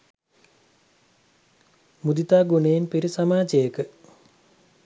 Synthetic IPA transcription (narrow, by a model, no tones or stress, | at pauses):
mud̪it̪aːɡuneinpiɾisamaːd͡ʒejəkə